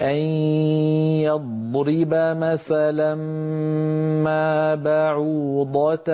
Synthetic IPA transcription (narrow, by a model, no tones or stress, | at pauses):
ʔan | jɑd̪ | ɾɪbamaθalam | mabaʕuːd̪ˤɑt̪